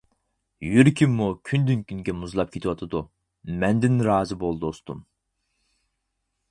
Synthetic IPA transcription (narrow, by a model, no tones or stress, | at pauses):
jyɾkʲʰimːukʲʰynd̪ynkʲʰynɡʲɛmuzlˠɑp̚kʲʰet̪ʰwɑt̪ʰɨd̪u | mɛnd̪ɪnɾɑːzɨbolˠd̪ost̪ṵm